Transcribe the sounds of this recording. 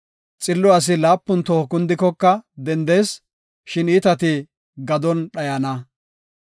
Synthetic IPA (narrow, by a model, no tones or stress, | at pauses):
t͡sʼɪlːʊɐs̬ɪlaːpːʊnt̪oːkʊnd̪ɪkːɔkːɐd̪ɛnd̪eːs | ʃɪnɪt̪ɐt̪ɪ | ɡɐd̪ɔnɗɐjɐnɐ